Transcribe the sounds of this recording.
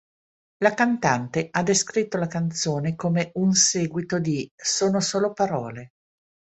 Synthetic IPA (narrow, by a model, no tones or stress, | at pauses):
lakant̪ant̪eʔad̪ːeskɾit̪ːolakant̪soːnekomeʔunseːɡwit̪od̪isoːnosoːlopaɾɔːle